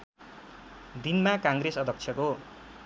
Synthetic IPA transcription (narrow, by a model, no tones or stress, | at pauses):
d̪inmakaŋɡɾesʌd̪ʱʌk̚t͡sʰjʌko